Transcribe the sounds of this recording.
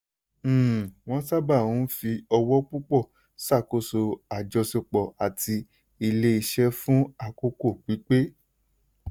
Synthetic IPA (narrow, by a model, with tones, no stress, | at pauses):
w̃ɔ̃˦sa˦ba˦˨wũ˨˦fi˧ɔ˧wɔ˦k͡pu˦k͡pɔ˦˨ | sa˦˨ko˦˨so˧a˨d͡ʒɔ˧se˧k͡pɔ˨a˨tʰi˧ | i˧le˦i˧ʃɛ˦fũ˦a˧ko˦ko˦˨k͡pi˨˦k͡pe˦